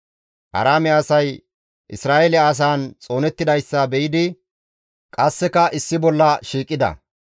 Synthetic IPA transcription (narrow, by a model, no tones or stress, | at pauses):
ʔɐ̰ɾaːmɛɐsɐj | ʔɪsɾaːʔɛlɛːs̬aːnt͡sʼo̞ːnɛt̪ːɪd̪ɐjsːɐbɛjɪd̪ɪ | kʼɐsːɛkɐʔɪsːɪbɔlːɐʃiːkʼːɪd̪ɐ̰